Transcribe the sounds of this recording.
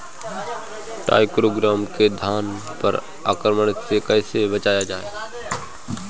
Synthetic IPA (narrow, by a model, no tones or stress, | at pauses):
ʈa̰ːɪkɾoːɡɾaːmked̪ʱjaːn | pəɾ | aːkɾəməɽ̃ɪt̪sekɛːsebət͡ʃaːjad͡ʒaːḛ